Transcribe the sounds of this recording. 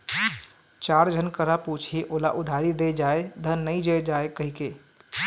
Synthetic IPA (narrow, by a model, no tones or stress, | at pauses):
t͡ʃaɾd͡ʒʱənkəɾaput͡ʃʰiʔolaʔud̪ʱaɾid̪ed͡ʒaed̪ʱənːəjd͡ʒed͡ʒaekəɦike